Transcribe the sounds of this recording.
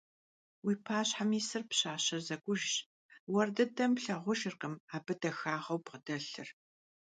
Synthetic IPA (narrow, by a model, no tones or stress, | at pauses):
wiːpʰaːɕħamiːsɨrpɕaːɕɐrzɐɡʷʼʊʒɕ | wɐrdɨdɐmpɬɐʁʷʊʒɪrqəmaːbɨdɐxaːʁɐwpqədɐɬɨr